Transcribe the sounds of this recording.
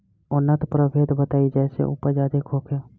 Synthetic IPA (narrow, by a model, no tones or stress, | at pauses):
ʊnːət̪pɾəbʱeːd̪bət̪aːid͡ʒɛːsḛʔʊ̰pəd͡ʒaːd̪ekʰoːpʰo